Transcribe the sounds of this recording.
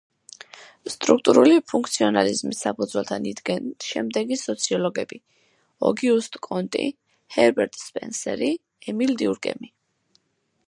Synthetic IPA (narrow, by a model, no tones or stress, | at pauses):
st̪ʼɾuk̚ʰt̪ʼuɾulipʰuŋkʰt̪sʰiɔnalizmisːapʰud̪zwɛlˠt̪ʰanid̪ɡɛnʃɛmd̪ɛɡisɔt̪sʰiɔlɔɡɛbi | ɔ̰ɡiust̪ʼkʼɔnt̪ʼḭ | hɛɾbɛɾt̪ʼspʼɛnsɛɾi | ɛmild̪iuɾɡʼɛ̰mi